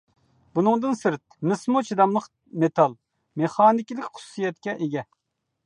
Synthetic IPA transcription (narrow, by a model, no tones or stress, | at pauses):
b̥unɨŋd̪ɨnsɨɾt̪̚mɨsmot͡ʃʰid̪ɑmlˠəq | met̪ʰɑlˠ | meχɑːnɪkʲilɪkʲχʊ̥susɨjɛt̪kʲɛʔeɡʲɛ